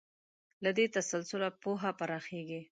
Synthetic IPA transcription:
lad̪et̪asalsʊlapoɦapaɾaxeɡi

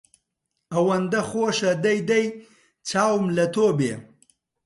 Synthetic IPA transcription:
awɐnd̪axoːʂad̪ajd̪aj | t͡saːwmlɐt̪obḛ

